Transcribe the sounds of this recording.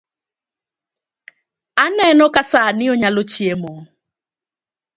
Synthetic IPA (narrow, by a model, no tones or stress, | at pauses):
anɛnɔkasanɪoɲalot͡ʃiemo